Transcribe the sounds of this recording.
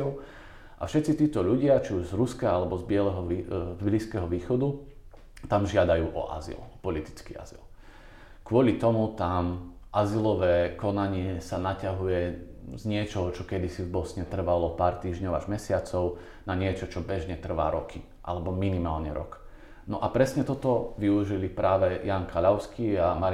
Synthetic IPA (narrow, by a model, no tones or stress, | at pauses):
ɔʊ | ʔa̰fʃɛt̪t͡sit̪iːt̪ɔʎuɟɪat͡ʃiuʒzɾuskaalɛbɔzbɪɛlɛɦɔibliskɛːɦɔʋiːxɔd̪u | t̪amʒɪad̪ajuːʔɔ̰ʔa̰zḭlɔpɔlit̪i̥t͡skḭa̰zḭl | kʋʊɔlit̪ɔmut̪am | ʔazilɔʋɛːkɔnaɲɪɛsanacaɦujɛzɲɪɛt͡ʃɔɦɔt͡ʃɔkɛd̪isivbɔsɲɛt̪r̩ʋalɔpaːɾt̪iːʒɲɔʊaʒmɛsɪat͡sɔʊ | naɲɪɛt͡ʃɔt͡ʃɔbɛʒɲɛt̪r̩ʋa̰ːɾɔki | ʔa̰lɛbɔminimaːlɲɛɾɔ̰k | nɔʔapɾɛsɲɛt̪ɔt̪ɔʋiuʒilipɾaːʋɛjaːŋkaʎaʊskiːama